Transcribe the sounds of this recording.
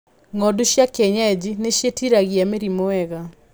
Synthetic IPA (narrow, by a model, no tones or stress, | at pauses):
ŋɔduɕjakɛɲaed͡ʑineɕjetiɾaɣiameɾimoɛɣa